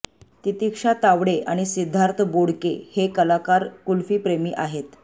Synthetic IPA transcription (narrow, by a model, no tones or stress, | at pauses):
t̪it̪ikʂat̪aʋɽeʔaɽ̃isid̪ʱːaɾt̪ʰəboɽkḛhekəlakaɾkulfiːpɾemiːʔaɦet̪